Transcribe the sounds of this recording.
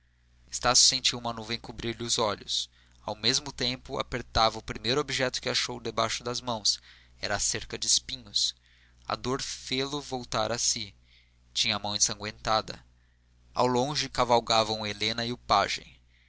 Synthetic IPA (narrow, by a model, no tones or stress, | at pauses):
e̥st̪asjʊ̥sẽnt͡ʃiwumɐnuṽẽj̃kubɾiɾlɪʊzɔʎʊs | awmezmʊt̪ẽmpʊa̰peɾt̪avɐʊpɾimejɾʊobiʒɛt̪ʊ̥kɪaʃowd̪ebajʃʊd̪ɐzmɐ̃w̃s | ɛ̰ɾɐseɾkɐd͡ʒɪːspĩɲʊs | ɐ̰a̰d̪oɾfelʊvowt̪aɾɐsi | t͡ʃĩɲɐmɐ̃w̃ẽsɐ̃ŋɡwẽnt̪ad̪ɐ̰ | a̰wlõʒɪkavawɡavɐ̃w̃elẽnɐiʊpaʒḛ̃j̃